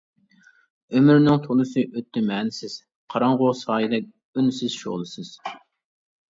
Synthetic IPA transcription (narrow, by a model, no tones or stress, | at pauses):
ømyɾnɪŋt̪ʰolˠɨsɨʔøt̪ʰːɪmɛːnɪsɪz̥ | qʰɑɾɑŋʁosɑːjɨd̪ɛk̚ʲ | ynsɪz̥ʃo̰ʁlˠɨsɨz̥